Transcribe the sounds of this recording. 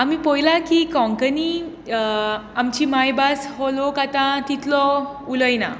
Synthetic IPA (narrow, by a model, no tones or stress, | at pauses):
amiːpɔjlakikɔ̃ŋkəni | amt͡ɕiːmajbasɦɔlokat̪ãt̪it̪lɔ | uləjna̰